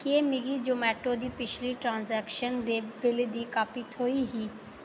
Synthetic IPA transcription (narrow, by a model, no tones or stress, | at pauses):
keːmɪɡiːd͡ʒoːmɛːʈoːd̪iːpɪt͡ʃʰliːʈɾãːnzɛːkʃənd̪eːbɪled̪iːkaːpiːt̪ʰoːiːɦiː